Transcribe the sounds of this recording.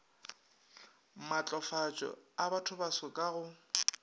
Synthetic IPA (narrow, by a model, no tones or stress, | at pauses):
mat͡ɬʼɔfat͡ʃʼɔ̰abatʰʊbasɔkʼaɣʊ